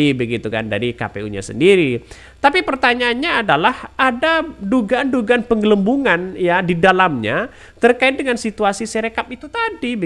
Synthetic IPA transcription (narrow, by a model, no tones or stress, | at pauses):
ibəɡit̪uka̰nda̰ɾika̰pḛṵɲa̰sə̰ndiɾi | t̪apipərt̪aɲaːnɲaːdalahadaduɡaːnduɡaanpəŋɡələmbuŋanjadidalamɲa | t̪ərkaɪt̪̚dəŋansit̪uasiseɾekap̚it̪ut̪adibə